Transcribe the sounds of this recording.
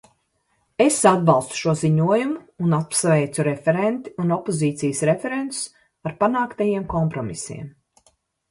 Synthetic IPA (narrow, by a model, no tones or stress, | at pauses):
esad̪̚bɑlˠst̪u̥ʃuɔziɲuɔjumuːnat̪̚psvɛjt̪suɾefeɾent̪i̥unɔpoziːt̪sijəsɾefeɾent̪ʊ̥s | aɾpanaːkt̪ajiɛmkɔmpɾɔmḭsḭɛm